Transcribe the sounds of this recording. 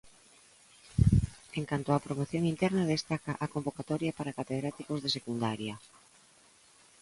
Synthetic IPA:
eŋkant̪oapɾomoθjoŋint̪ɛɾnað̞est̪akaʔakombokat̪ɔɾjapaɾakat̪eð̞ɾat̪ikozðesekund̪aɾjɐ

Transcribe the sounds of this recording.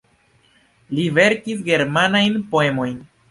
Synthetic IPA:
live̞ɾkisɡe̞ɾmanajnpo̞e̞mo̞jn

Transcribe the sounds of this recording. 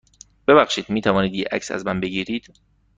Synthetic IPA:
b̥e̞βæxʃiːd̪miːt̪ʰævɒːniːd̪jeʔæ̰csæ̰zmænbeɡiːɾiːd̪̥

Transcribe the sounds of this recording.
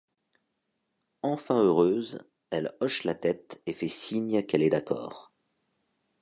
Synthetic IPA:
ɑ̃fɛ̃øʁøz | ɛlɔʃlat̪ɛt̪efɛsiɲkɛlɛd̪akɔ̰ːʁ

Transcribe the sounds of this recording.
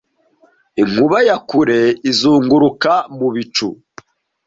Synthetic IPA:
iŋuβajakuɾe̞izuːŋɡuɾukamuβit͡ʃṵ

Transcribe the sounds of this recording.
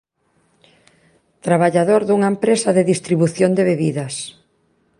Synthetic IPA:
t̪ɾaβaʎaðoɾðuŋɐempɾesɐðeðist̪ɾiβuθjond̪eβeβiðɐs

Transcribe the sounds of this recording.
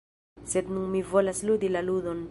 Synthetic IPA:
set̪nuŋmivolaslud̪ilalud̪on

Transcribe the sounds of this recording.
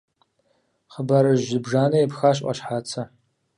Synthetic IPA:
χəbaɾɨʒɪbʐaːnɐjpxaːɕ̬ʼʔʷʼɐ̰ɕħaːt͡sʰɐ

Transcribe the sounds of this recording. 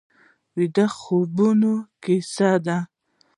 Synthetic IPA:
wid̪axobunokisad̪a

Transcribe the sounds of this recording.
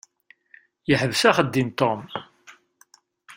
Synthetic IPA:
jəħəvsæχəd̪ːint̪ːom

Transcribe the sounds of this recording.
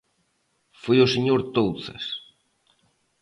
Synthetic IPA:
fojʊseɲoɾt̪owθɐ̰s

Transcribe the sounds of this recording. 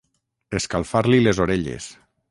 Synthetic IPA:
eskalˠfaɾlilezoɾeʎḛs

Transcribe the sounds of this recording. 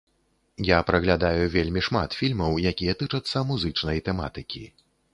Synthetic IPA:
japɾɐɣlʲad̪ajuvʲelʲmʲiʂma̰t̪fʲilʲmɐwjakʲijɐt̪ɨt͡ʂɐt̪sːɐmuzɨt͡ʂnɐjt̪ɛma̰t̪ɨkʲḭ

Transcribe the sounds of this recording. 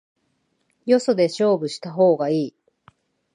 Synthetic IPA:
jo̞so̞d̪e̞ɕo̞ːbɯ̟ɕi̥t̪aɦo̞ːɡaiː

